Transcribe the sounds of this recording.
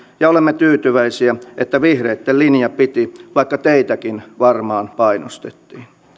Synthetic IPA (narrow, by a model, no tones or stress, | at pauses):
jɑolemːet̪yːt̪yʋæisiæʔet̪ːæʋihreːt̪ːellinjɑpit̪iʋɑikːɑt̪eit̪ækinʋɑrmɑːnpɑinost̪et̪ːiːn